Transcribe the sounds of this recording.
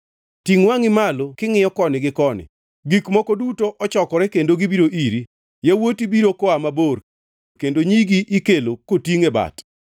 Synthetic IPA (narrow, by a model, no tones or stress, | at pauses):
tiŋwaŋɪmalokɪŋɪjɔkɔnɪɡɪkɔnɪ̰ | ɡikmɔkɔdutoʔɔt͡ʃɔkɔɾɛkendoɡibiɾoʔiɾi | jawotibiɾokɔamaboɾ | kendoɲiɡiʔikelokotiŋeba̰t